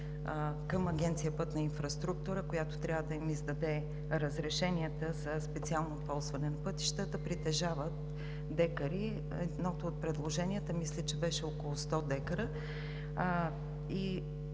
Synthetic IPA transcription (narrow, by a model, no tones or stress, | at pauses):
kəmɐɡʲɛnt̪sijəpɤt̪nɐinfɾɐst̪ɾuk̚t̪uɾəkojat̪o̥t̪ɾʲjavəd̪ɐimizd̪ɐd̪ɛ | ɾəzɾɛʃɛniɛt̪əzɐspɛt̪sialˠnopɔlˠzvɐnɛnɐpɤt̪i̥ʃt̪əd̪ɐpɾit̪ɛʒavət̪ | d̪ɛkəɾi | ɛd̪nɔt̪oːt̪̚pɾɛd̪lˠoʒɛniət̪əmislʲət͡ʃɛbɛʃɛokolˠost̪ɔd̪ɛkəɾə | i